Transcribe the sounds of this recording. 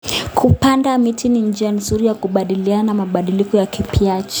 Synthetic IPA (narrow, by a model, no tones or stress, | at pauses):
kʰupandamitʰinind͡ʒian̩zuɾijakuɓaɗilianamaɓaɗilikɔjakipiat͡ʃḁ